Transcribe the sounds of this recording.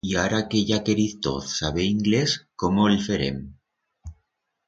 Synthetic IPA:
iaɾakeʝakeɾiθt̪o̰θsaβeiŋɡleskomoelfeɾḛm

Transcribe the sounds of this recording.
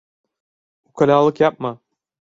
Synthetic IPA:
ukʰalʲaːlˠɯkjap̚ma

